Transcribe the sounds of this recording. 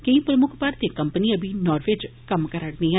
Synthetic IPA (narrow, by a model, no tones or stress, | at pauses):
kəĩːpɾəmʊkʰpaɾt̪eːkəmpəniə̃bʱiːnɔːɾʋed͡ʒkəmkəɾəɽnĩːɛ̃